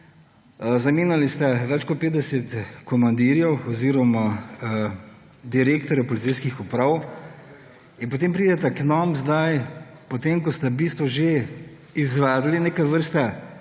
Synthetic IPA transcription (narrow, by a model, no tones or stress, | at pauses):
zɐmiːnalist̪ɛʋɛt͡ʃkɔt̪̚peːd̪ɛsɛt̪kɔmand̪iɾjɛwɔziːɾɔma | d̪iɾeːk̚t̪ɔɾjapɔlit̪sijskixupɾaw | inpot̪eːmpɾiːd̪ɛt̪ɛknɔmzd̪aj | pɔt̪emkɔst̪ɛbiːst̪ʋɔʒe | izʋad̪lineːkaʋəɾst̪a